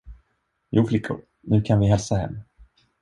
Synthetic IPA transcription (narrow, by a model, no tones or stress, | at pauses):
juːflɪkʰːʊ̰ | nʉ̟ːkʰanvɪɦɛlsahɛ̰mː